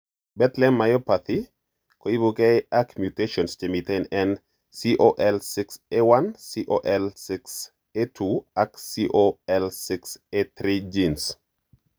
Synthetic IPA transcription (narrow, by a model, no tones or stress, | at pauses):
bɛt̪lɛmːajɔpat̪ʰi | koibukɛakmjuteʃɔnst͡ʃemit̪enɛn | siʔoʔɛlsɪksewansiʔoʔɛlsɪks | etʰuaksiʔoɛlsɪkset̪ɾid͡ʒins